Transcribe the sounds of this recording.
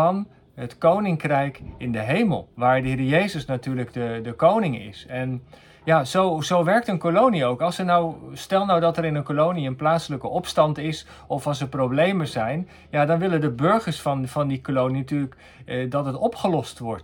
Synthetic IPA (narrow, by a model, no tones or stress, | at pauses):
ɑn | ɦətkownɪŋkrɛjkɪndəɦejmə̰lˠʋaːɹdəɦɪːɹəjejzəsnatyːɹləɡdədəkownɪŋɪ̰sɛn | jaːzowzowʋɛɹk̚tənkolowniowkɑlˠsənawstɛlˠnawdɑtɛɾɪnənkolowniənplaːtsələkəʔɔpstɑntɪs | ɔfɑlˠsəɹprowblejməzɛjn | jaːdɑnʋɪləndəbɵɹχəɹsfɑnfɑndikolowninatyːlək | dɑtətɔpχəlɔstʋɔ̰ɹt